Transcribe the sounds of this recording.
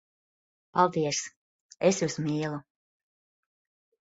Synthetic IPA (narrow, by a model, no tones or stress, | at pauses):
palˠd̪iɛs | esjuːsmiːlˠu